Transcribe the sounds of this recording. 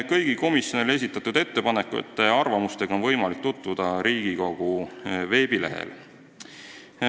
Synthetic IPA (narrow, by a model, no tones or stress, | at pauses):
kɤjɡ̥iko̞misjo̞nole̞s̬ʲit̪ːˑɑt̪ud̪e̞t̪ːe̞pɑne̞kːˑuḛt̪ːˑɑrvɑmust̪e̞ɡ̥ɑo̞nvɤjmɑlik̚t̪ut̪ːud̪̥ɑɾiːɡ̥iko̞ɡ̥uve̞ːb̥ile̞ɦḛl